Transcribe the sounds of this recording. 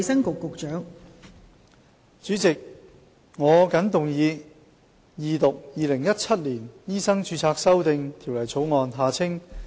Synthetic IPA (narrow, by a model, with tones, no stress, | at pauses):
sɐ˥ŋkʊ˨kːʊ˨k̚t͡ʃœː˨˥ŋ | t͡ʃyː˨˥t͡sɪ˨k̚ | ŋɔː˨˧kɐ˨˥nt̪ʊ˨ŋjiː˨˧ | jiː˨t̪ʊ˨k̚jiː˨lɪ˨˩ŋjɐ˥t̚t͡sʰɐ˥t̚liː˨˩njiː˥sɐ˥ŋt͡ʃyː˧t͡sʰaː˧ksɐ˥wt̪ɪ˨ŋt̪ʰiː˨˩wlɐ˨˩jt͡sʰo˨˥wŋɔː˨nɦaː˨t͡sʰɪ˥ŋ